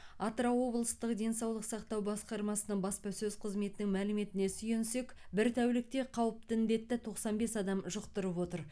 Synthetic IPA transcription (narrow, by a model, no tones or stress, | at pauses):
ɑt̪ɾɑwo̞blˠəst̪əqd̪e̞nsɑwlˠəqsɑqt̪ɑwbɑsqɑɾmɑsənəɴbɑspɑsɵzqʰəzme̞t̪ɪnɪŋmælɪme̞t̪ɪne̞sʏje̞nse̞kbɪɾt̪ʰæwlɪk̚t̪e̞qʰɑwəp̚t̪ɪnd̪e̞t̪ːɪt̪ʰo̞qsɑnbe̞sɑd̪ɑmʒəqt̪əɾəpwo̞t̪əɾ